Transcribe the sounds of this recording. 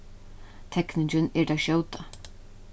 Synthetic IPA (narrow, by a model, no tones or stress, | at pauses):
t̪ʰɛknɪɲt͡ʃɪnɛɾd̪aʃjowt̪a